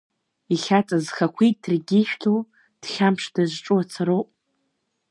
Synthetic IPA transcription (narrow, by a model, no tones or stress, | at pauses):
iɬʲat͡sʼazχakʷʰitʼdʰrɡʲiʃᶣtʰow | d̥χʲampʰʂd̥aʒʷʈ͡ʂʼuat͡sʰaɾowpʼ